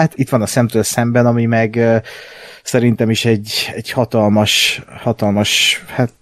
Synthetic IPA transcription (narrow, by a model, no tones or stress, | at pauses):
t̪it̪ʋɒnɒsɛmt̪øːlsɛmbɛnɒmimɛɡø | sɛɾint̪ɛmiʃɛɟːɛɟhɒt̪ɒlmɒʃhɒt̪ɒlmɒʃhaːt̪